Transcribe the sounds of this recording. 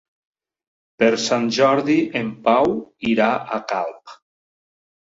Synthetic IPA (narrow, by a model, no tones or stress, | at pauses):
peɾsanʲʒɔɾðiʔempawiɾaakalˠp